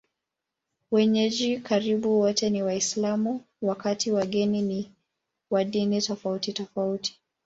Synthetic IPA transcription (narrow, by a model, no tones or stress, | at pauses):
wɛɲɛʄikaɾiɓuwɔtɛniwaislamu | wakatiwaɠɛnini | waɗinitɔfautitɔfauti̥